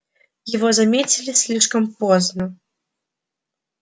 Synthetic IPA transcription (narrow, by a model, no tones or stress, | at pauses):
jɛvɔzamʲet͡sʲilʲisʲlʲiʂkəmpɔznə